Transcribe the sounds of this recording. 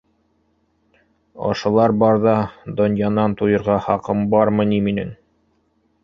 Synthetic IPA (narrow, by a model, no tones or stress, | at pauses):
ɒ̰ʃɤ̆lˠɑɾbɑɾðɑd̪ŏnjɑnɑnt̪ujɤ̆ɾʁɑχɑqɤmbɑɾmɤ̆niminɘŋ